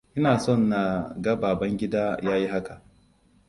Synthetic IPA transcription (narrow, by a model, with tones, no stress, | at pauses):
ʔɪ˦naː˨sɔ˦˨nːa˨ɡɐ˦baː˨bɐ˦ŋɡʲɪ˦daː˦jaː˦ji˦ɦa˦ka˨ʔ